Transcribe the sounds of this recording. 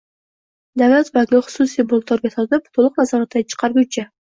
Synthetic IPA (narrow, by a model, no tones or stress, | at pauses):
d̪avlˠat̪baɪχʊ̥susijbolˠt̪ʰːoɾɡʲat̪ʰɒt̪ɪpt̪ʰolˠʊqnazɒɾat̪ʰd̪at͡ʃʰɨ̥qʰɑɾɡut͡ʃʰa